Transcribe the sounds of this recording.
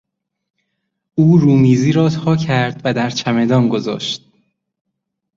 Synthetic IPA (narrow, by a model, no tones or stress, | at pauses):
uːɾuːmiːziːɾɒːt̪ʰɒːcʰæɾd̪̥væd̪æɾt͡ʃʰæme̞d̪ɒːnɡo̞zɒ̰ːʃt̪̚